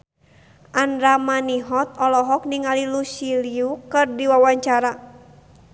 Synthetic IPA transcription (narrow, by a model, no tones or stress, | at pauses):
ʔandɾamaniɦɔt̪̚ɔlɔɦɔk̚niŋalilusiliukɨrdiwawaɲt͡ʃaɾa